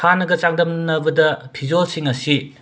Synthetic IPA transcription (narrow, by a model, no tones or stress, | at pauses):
anɐɡɐt͡ʃaŋdɐmnɐbɐdɐpʰid͡ʒolsiŋɐsi